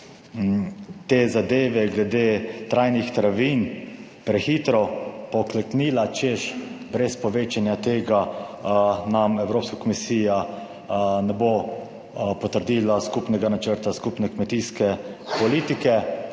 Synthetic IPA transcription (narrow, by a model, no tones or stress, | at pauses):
t̪ezad̪eːʋɛɡlɛd̪eːt̪ɾajnixt̪ɾaʋiːnpɾɛxiːt̪ɾɔpɔklɛkniːlat͡ʃeʃbɾɛspɔʋeːt͡ʃanjat̪eːɡa | namɛwɾoːpskakɔmisiːja | nɛbo | pɔt̪əɾd̪iːlaskupnɛɡanat͡ʃəɾt̪askupnɛkmɛt̪iskɛpɔliːt̪ikɛ